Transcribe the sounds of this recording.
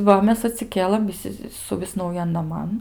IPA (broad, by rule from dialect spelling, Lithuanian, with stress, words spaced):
ˈʋɐ ˈmʲɛs ɐtʲsʲɪˈkʲeːlˠɘm ʋʲɪˈsʲɪ sʊˈʋʲɪs nɐʊˈjɛn nɐˈmɐn